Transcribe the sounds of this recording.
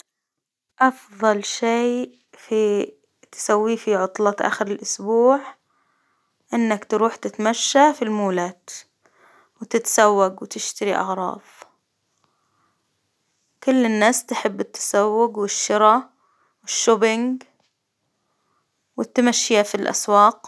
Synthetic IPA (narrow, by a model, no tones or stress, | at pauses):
ʔɑfðˤɑlʃeː | fi | t̪ɪ̥sawːifiʕʊt̪ˤlɑt̪ʔa̰ːxɪɾɪlʔʊsbuːʕ | ʔɪnːakt̪ɾuːħt̪ɪt̪amaʃːafilmuːlaːt̪ | wɪt̪ɪt̪sawːaɡwɪt̪ɪʃt̪aɾiʔɑ̰ɣɾˤɑ̰ːðˤ | kʊlːɪnːaːst̪ɪħɪbːɪt̪ːḁsawːʊɡwɪʃːɪɾɑ | wɪʃːoːbɪŋɡ | wɪt̪ːamaʃːjafilʔa̰swɑːq